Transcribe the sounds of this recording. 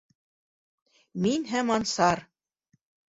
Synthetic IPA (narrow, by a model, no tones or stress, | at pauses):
minɦæmɑnsɑɾ